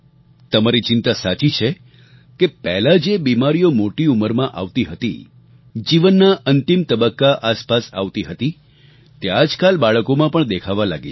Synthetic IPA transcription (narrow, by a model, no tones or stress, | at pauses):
t̪əmaɾit͡ʃɪnt̪asat͡ʃit͡ʃʰe | kepɛɦlad͡ʒebimaɾijomoʈiuməɾmãʔa̰ʋt̪iɦət̪ḭ | d͡ʒiʋənːaʔənt̪imt̪əbəkːaʔaspasa̰ʋt̪iɦət̪i | t̪ead͡ʒkalbaɭəkomãpəɳd̪ekʰaʋalaɡḭ